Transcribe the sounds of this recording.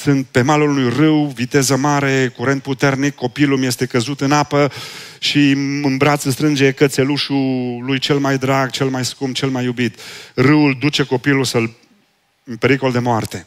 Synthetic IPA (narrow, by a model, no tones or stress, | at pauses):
sɨnt̪̚pe̞malulunujrɨwvit̪e̞zəmaɾe̞kuɾe̞nt̪̚put̪e̞rnikʰːo̞pilumje̞st̪e̞kəzut̪ɨnapəʃiɨmbɾat̪sɨst̪ɾɨnd͡ʒe̞kət̪se̞luʃulujt͡ʃe̞lmajd̪ɾaɡ̚t͡ʃe̞lmajskumt͡ʃe̞lmajːubit̪rɨwuld̪ut͡ʃe̞ko̞pilusəl | ɨnpe̞ɾiko̞ld̪e̞moart̪e̞